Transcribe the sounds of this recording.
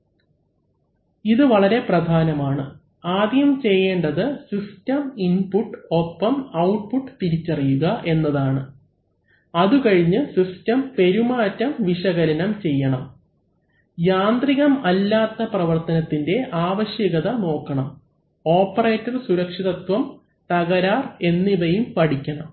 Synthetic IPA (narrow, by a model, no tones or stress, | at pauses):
iðɨʋɐɭɐɾe̞prɐd̪ʱaːnɐmaːɳɨ | aːd̪jɐmt͡ɕe̞jːe̞ːɳɖɐðɨsistɐminpuʈːɨo̞pːɐmɐwʈ̚puʈːɨt̪iɾit͡ɕːɐrijuɣɐʔe̞nːɐðaːɳɨ | ɐðukɐɻiɲːɨsistɐmpe̞ɾumaːtːɐmʋiʂɐɣɐɾɐnɐmt͡ɕe̞jːɐɳɐm | jaːnd̪riɣɐmɐlːaːt̪ːɐprɐʋɐrt̪ɐnɐt̪ːinde̞ʔaːʋɐɕjɐɣɐðɐno̞ːkːɐɳɐm | o̞ːpːɐreːtːɐrsuɾɐkʂiðɐt̪wɐm | t̪ɐɣɐɾaːre̞nːiʋɐjumpɐɽikʲːɐɳɐm